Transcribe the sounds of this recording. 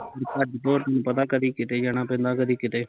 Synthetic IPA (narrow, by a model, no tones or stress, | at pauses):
əɾtəd͡ʒt̪oːɾt̪ənũːpət̪aːkəd̪iːkɪt̪eːd͡ʒaɽ̃ãːpɛ̃ːnd̪aːkəd̪iːkɪt̪eː